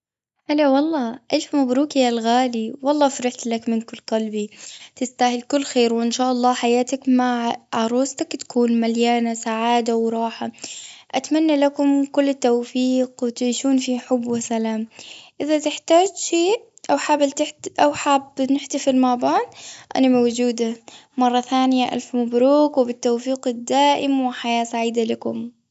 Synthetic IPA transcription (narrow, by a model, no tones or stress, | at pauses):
ʔalawɑlˤːɑːʔeːfmabɾuːkijalɣaːliwɑlˤːɑːfɾɪħt̪lakmɪnkʊlːqɑlbit̪ɪst̪aːhɪlkʊlːxeːɾwʔɪnʃaːʔɑlˤːɑːħajaːt̪akmaʕʕʕɑɾˤuːst̪akt̪ḁkuːnmaljaːnasaʕaːd̪awɾˤɑːħaʔat̪manːalakʊmkʊlːɪt̪ːawfiːqwɪt̪ʕiːʃuːnfiħʊbːwɪsalaːmʔɪðat̪ɪħt̪aːd͡ʒʃeː | ʔawħabɪlt̪ɪħʔawħaːbnɪħt̪ɪfilmabaːnʔa̰namawd͡ʒuːd̪amɑrˤːɑθaːnɪjaʔa̰lfmʊbɾuːkwɪbɪt̪ːowfiːqɪd̪ːaːʔɪmwɪħajaːsaʕiːd̪alakʊm